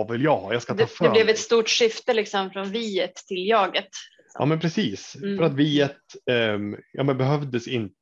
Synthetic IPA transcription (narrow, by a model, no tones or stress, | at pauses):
vɪljɑhɑjɑskat̪d̪ʰɑːfɛlɛvɛt̪st̪uːʈʂʏft̪əlɪksɔmfɾɔnviːət̪ʰːɪljɑːɡət̪ | jɑ̰ːmɛnpʰɾɛsiːsfœɾat̪viːət̪ | jɑ̰ːmɛnbɛɦœvd̪əsɪnt̪